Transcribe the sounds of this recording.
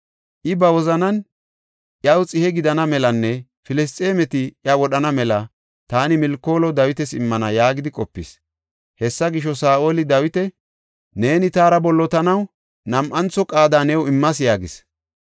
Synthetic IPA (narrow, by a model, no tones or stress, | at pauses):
ʔɪbɐwɔzɐnɐn | ʔjɐwt͡sʼɪhɛɡɪd̪ɐnɐmɛlɐnːɛ | fɪlɪs̬t̪ʼeːmɛt̪ɪjɐwɔɗɐnɐmɛlɐ | t̪aːnɪmɪlkːo̞ːlɔd̪ɐwɪt̪ɛsɪmːɐnɐjaːɡɪd̪ɪkʼɔpːɪ̰s | hɛsːɐɡɪʃ̬ːɔsaːʔo̞ːlɪd̪ɐwɪt̪ɛ | ne̞ːnɪt̪aːɾɐbɔlːɔt̪ɐnɐw | nɐmʔɐnt͡sːɔkʼaːd̪aːnɛwɪmːɐs̬ɪjaːɡɪs